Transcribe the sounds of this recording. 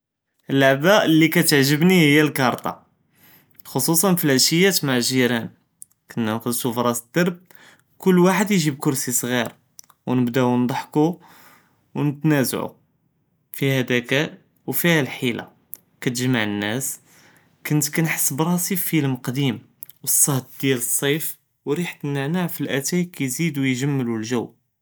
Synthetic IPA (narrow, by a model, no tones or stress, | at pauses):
ʔəlːaʕbaʔəlːikæt̪əʕʒəbnihəjːælkɑɾˤt̪ˤɑ̰ | xosˤusˤɑnflæʃəjːæt̪maʕʒiɾæn | kənːnqəd̪sufɾˤɑsəd̪ɑɾˤb̚ | kʊlːwaħəd̪jiʒib̚kʊɾsisˤɣiɾ | wnəbd̪æwnd̪ˤɑħku | wnət̪næzʕṵ | fihæd̪ækæ | wfihælħila̰ | kæt̪əʒmaʕənːæs | kʊnt̪kænħə̥sːəbɾˤɑsifiləmqd̪im | wəsˤːɑht̪̚d̪jæləsˤːif | wɾiħt̪nːəʕnaʕfilʔæt̪æjkæjzid̪ujʒəmːəlulʒəwː